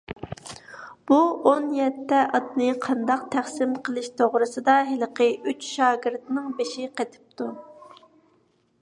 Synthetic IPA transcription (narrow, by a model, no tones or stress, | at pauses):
b̥uonjɛt̪ʰːɛʔɑt̪nɨqʰɑnd̪ɑq̚t̪ʰæχsɪmqʰəlˠɪʃt̪ʰoʁɾɨsɨd̪ɑɦɪlˠqʰəyt͡ʃʃɑːɡʲɪɾt̪nɪŋbeʃɪqʰet̪ʰɪ̥p̚t̪ʰu